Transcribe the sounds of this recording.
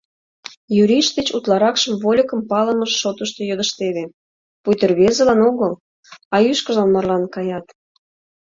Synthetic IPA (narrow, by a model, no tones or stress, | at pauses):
jyɾiʃd̪et͡ɕut̪lɑɾɑkʃəmvolʲəkəmpɑləməʃːot̪əʃt̪ejød̪əʃt̪eβe | pujt̪ərβezəlɑnoɣəl | ɑjyʃkəʒɑnmɑrlɑnkɑjɑt̪